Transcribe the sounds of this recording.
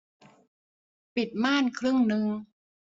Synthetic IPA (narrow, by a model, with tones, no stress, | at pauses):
pi˨˩t̪̚maː˥˩nkʰɾɯ˥˩ŋnɯ˧ŋ